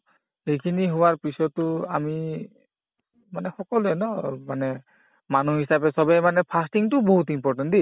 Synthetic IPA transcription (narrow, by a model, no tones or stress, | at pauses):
xejkʰiniɦʊwaɹpisɔtːʊami | manɛxɔkɔlɛnɔmanɛ | manuɦisapɛsɔbɛmanɛpʰastiŋtʊbɔɦut̬impɔɹtandi